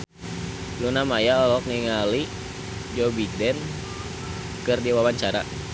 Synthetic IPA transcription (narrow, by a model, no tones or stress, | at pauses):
lunamajaɔlɔk̚niŋali | d͡ʒɔbidɛn | kɨrdiwawaɲt͡ʃaɾa